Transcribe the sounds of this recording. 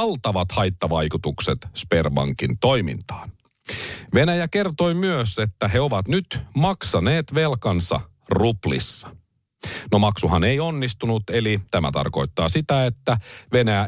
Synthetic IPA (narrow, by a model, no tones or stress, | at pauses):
lt̪ɑʋɑt̪hɑjt̪ːɑʋɑjkut̪ukset̪sperbɑ̰ŋkint̪o̞jmḭnt̪ɑ̥ːn | ʋe̞næjæke̞rt̪o̞jmyøse̞t̪ːæɦe̞o̞ʋɑt̪nyt̪mɑksɑneːt̪ʋe̞lkɑnsɑ̰ | ruplḭsːɑ̥ | no̞mɑksuɦɑne̞jo̞nːist̪unut̪e̞lit̪æmæ̰t̪ɑ̰rko̞jt̪ːɑ̰ːsit̪æe̞t̪ːæʋe̞næjæ